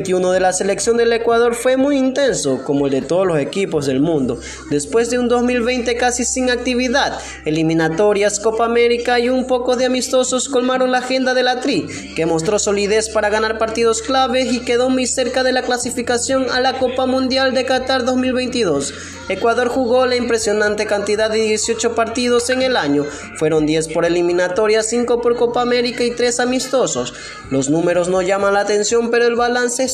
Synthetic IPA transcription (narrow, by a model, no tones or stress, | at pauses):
t̪iunoðe̞lase̞le̞ksjo̞nd̪e̞le̞kwað̞o̞ɾfwe̞mujint̪e̞nso̞ko̞moe̞ld̪e̞t̪o̞ðolose̞kipo̞zðe̞lmũnd̪o̞ | d̪e̞spwe̞zðeund̪o̞zmilβe̞jnt̪e̞kasisiŋak̚t̪iβ̞iðað | elimĩnat̪o̞ɾjasko̞paːme̞ɾikaiumpo̞kozðeamist̪o̞so̞sko̞lmaɾo̞ŋlaːxe̞nd̪aðe̞lat̪ɾi | ke̞mo̞st̪ɾo̞so̞liðe̞spaɾaɣ̞anaɾpaɾt̪iðo̞sklaβe̞sike̞ðo̞mujse̞ɾkaðe̞laklasifikasjo̞ŋalako̞pamũnd̪jald̪e̞kat̪aɾðo̞zmilβe̞jnt̪iðo̞s | e̞kwaðo̞ɾxuɣo̞laimpɾe̞sjo̞nãnt̪e̞kant̪iðaːeðje̞sjo̞t͡ʃo̞paɾt̪iðo̞se̞ŋe̞laɲo̞ | fwe̞ɾo̞nd̪je̞spo̞ɾelimĩnat̪o̞ɾjasiŋko̞po̞ɾko̞paːme̞ɾikait̪ɾe̞samist̪o̞so̞s | lo̞snũme̞ɾo̞sno̞ʝamanlaːt̪e̞nsjo̞mpe̞ɾo̞elβalanse